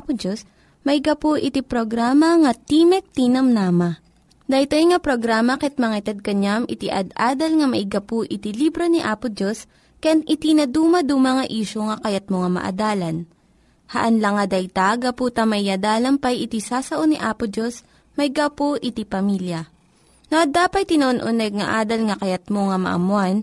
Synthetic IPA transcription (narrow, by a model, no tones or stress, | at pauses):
apod͡ʒos | mɐɪɡɐpoʔɪt̪ipɾoɡɾaːmɐŋɐt̪iːmɛk̚t̪inɐmnaːmɐ | d̪ɐjt̪ojŋɐpɾoɡɾaːmɐkɛt̪̚mɐŋaɪt̪ɐd̪̚kɐɲamʔɪt̪iʔɐ̰d̪ʔaːd̪ɐlŋɐmɐʔɪɡɐpoʔɪt̪ilibɾoniʔaːpʊd͡ʒos | kɐjanʔɪt̪inɐd̪uːmɐd̪umɐŋaʔiːʃoŋɐkɐjat̪̚moŋamɐ̰ʔɐ̰d̪aːlɐn | hɐ̰ʔɐnlɐŋɐd̪ɐjt̪aɡɐpuːt̪ɐmɐʔɪɐd̪aːlɐmpɐjʔɪt̪isaːsɐʔoniʔaːpʊd͡ʒos | mɐɪɡapoʔɪt̪ipɐmiljɐ | noʔɐd̪aːpɐt̪̚t̪ːɪnɐʔonʔonɛɡ̚ŋɐʔaːd̪ɐlŋɐkɐjɐt̪̚moŋɐmɐ̰ʔɐ̰mʊan